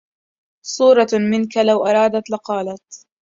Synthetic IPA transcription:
sˤuːɾˤɑmɪnkalawʔɑɾˤɑːd̪at̪laqɑːlat̪

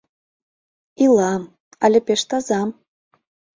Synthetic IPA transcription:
ilˠɑm | ɑlʲĕpʲeʃt̪ɑzɑm

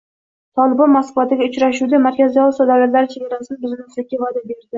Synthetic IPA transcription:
t̪ʰɒlˠɪbɒnmaskvat̪ɪɡʲaʊt͡ʃɾaʃud̪amaɾkʲazijɒlˠsad̪alat̪laɾɪt͡ʃʰe̞ɡʲaɾasɪnbɪzɪnɪsɪk̚ʲːavad̪abe̞ɾd̪ɪ

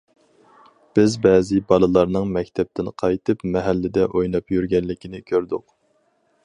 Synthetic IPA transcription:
b̥ɪzbɛːzɪbɑlˠɨlˠɑɾnɨŋmɛkʲt̪ʰɛp̚t̪ʰɪnqʰɑjt̪ʰɨpmɛɦælːɪd̪ɛʔojnɑpjyɾɡʲɛnlɪkʲʰinɪkʲʰøɾd̪ʊq

